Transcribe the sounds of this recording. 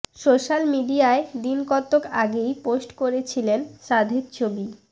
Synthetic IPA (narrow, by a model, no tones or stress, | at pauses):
soʃalmiɖiaed̪inkɔt̪ːokaɡejposʈkoɾet͡ɕʰilenʃad̪ʱet̪t͡ɕʰobi